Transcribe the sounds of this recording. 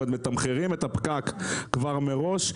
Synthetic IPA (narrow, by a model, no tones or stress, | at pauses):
d̪met̪amχeʁimet̪apkakkvaʁmeʁo̞ʃ